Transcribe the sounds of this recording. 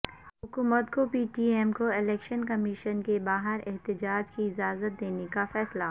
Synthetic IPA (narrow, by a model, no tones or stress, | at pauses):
ɦʊkuːmət̪kopiːʈiːɛmkoɪlɛːkʃənkɐmɪʃənkebaːɦəɾɪɦt̪ɪd͡ʒaːd͡ʒkiɪd͡ʒaːzət̪̚d̪eːnekafɛːsla